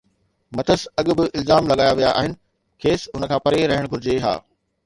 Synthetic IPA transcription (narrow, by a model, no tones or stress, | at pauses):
mɐt̪ʰəsɐɠʊ̆bɪʔɪlzaːmlɐɠaːjaʋija̰ʔa̰ːɦɪnɪ̆ | kʰeːsʊnəkʰãːpɐɾeɾɐɦəɽ̃ɡʱʊɾɪd͡ʑeɦa̰ː